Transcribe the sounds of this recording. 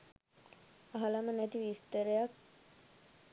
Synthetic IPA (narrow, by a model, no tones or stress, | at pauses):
ɐɦɐlamənæt̪iʋist̪əɾəjak̚